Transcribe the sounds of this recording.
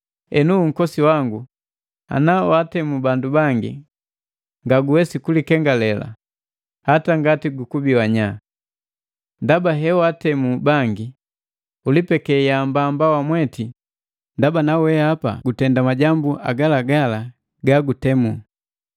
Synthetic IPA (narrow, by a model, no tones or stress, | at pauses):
ɛ̰nuŋ̩kɔsiwaŋɡu | a̰naɔatɛmubandubaŋɡḭ | ŋɡaɡuwɛsikulikɛŋɡalɛla̰ | hataŋɡatiɡukubiwaɲa | ndabaɦɛwatɛmubaŋɡi | ulipɛkɛjambambawamwɛti | ndabanawɛapa̰ɡutɛndamaɟambuʔa̰ɡalaɡala | ɡaɡutɛmu